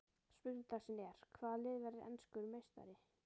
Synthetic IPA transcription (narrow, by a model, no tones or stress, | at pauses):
spʏɣnɪt̪asɪnɛɾ̥kʰvaːðlɪːðvɛɾɪɛ̰nskʏɾmeːjst̪a̰ɾɪ